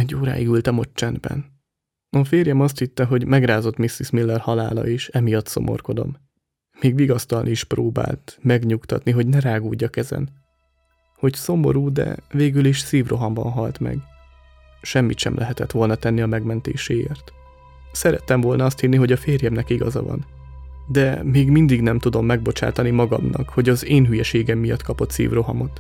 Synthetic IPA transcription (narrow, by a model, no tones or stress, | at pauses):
ɛɟːoːɾa̰ːiɡylt̪ɒmo̞t͡ʃːɛnd̪bɛ̰n | ɒfeːrjɛmɒst̪hit̪ːɛɦo̞ɟmɛɡraːzo̞t̪misismilːɛrhɒla̰ːlɒ̰eːʃɛmijɒt̪so̞̰mʔo̞̰rko̞d̪o̞̰mː | eːɡʋiɡɒst̪ɒlniiʃproːba̰ːlt̪mɛɡɲukt̪ɒ̰t̪niɦo̞ɟnɛɾaːɡuːɟːɒkɛzɛ̰n | ho̞cso̞mo̞̰ɾuːd̪ɛ̰veːɡyliʃsiːvro̞ɦɒmbɒ̰nɦɒlt̪mɛ̰ɡ | ʃɛmːit̪ʃɛ̰mlʔɛɦɛt̪ɛt̪ʋo̞lnɒt̪ɛnːiɒmɛɡmɛnt̪ḛːʃeːḛːrt̪ | sɛɾɛt̪ːɛɱvo̞lnɒɒst̪hinːiɦo̞ɟɒfeːrjɛmnɛkiɡɒ̰zɒ̰vɒ̰n | d̪ɛmeːɡmind̪iɡnɛmt̪ud̪o̞mːɛɡ̚bo̞t͡ʃa̰ːt̪ɒnimɒɡɒ̰mnɒ̰kho̞ɟɒzeːnɦyjɛʃeːɡɛmːijɒt̪kʰɒpo̞t̪sḭːvro̞ɦɒmo̞t̪